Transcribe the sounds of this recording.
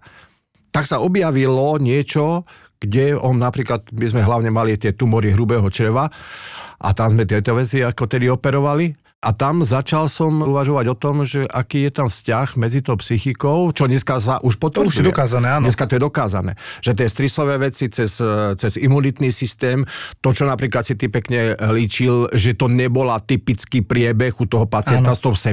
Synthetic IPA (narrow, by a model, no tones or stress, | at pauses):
t̪aksaɔbjaʋilɔɲɪɛt͡ʃɔ | ɡ̥ɟɛɔnnapɾiːklad̪bizmɛɦlaʊɲɛmalit̪ɪɛt̪umɔɾiɦɾubɛːɦɔt͡ʃɾɛʋa | ʔa̰t̪amzmɛt̪ɪɛt̪ɔʋɛt͡siakɔt̪ɛd̪iɔpɛɾɔʋali | ʔat̪amzat͡ʃalsɔmuʋaʒɔʋaɟɔt̪ɔmʒɛʔakiːjɛt̪amfscaɣmɛd͡zit̪ɔʊpsixikɔʊt͡ʃɔɲɛskas̬aʔuʃpɔt̪ʋɛud̪ɔkaːzanɛaːnɲɛskat̪ɔjɛd̪ɔkaːzanɛ̰ːʒ̥ɛt̪̬ɪɛst̪ɾisɔʋɛːʋɛt͡sit͡sɛzt͡sɛzimunit̪niːsist̪ɛːmt̪ɔt͡ʃɔnapɾiːklat̪sit̪ipɛkɲɛliːt͡ʃilʒɛt̪ɔɲɛbɔlat̪ipit͡skiːpɾɪɛbɛɣut̪ɔɦɔpat͡sɪɛnast̪ɔʊsɛ